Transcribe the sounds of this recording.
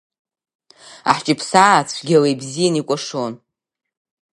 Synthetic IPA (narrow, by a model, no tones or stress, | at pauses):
a̰ħt͡ʃʼɪpʰsat͡sʷʰɡʲalejbzijanikʷʼaʂon